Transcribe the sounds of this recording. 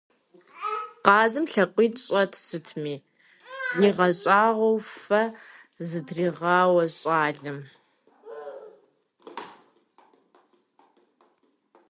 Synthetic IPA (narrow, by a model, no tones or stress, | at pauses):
qɑːzɨmɬɐqʷiːɕʼɐtʰsɨtʰmiː | niːʁɐɕʼɑːʁʷɐwfɐ | zɨdriːʁɑːwɐɕʼɑːɮɨm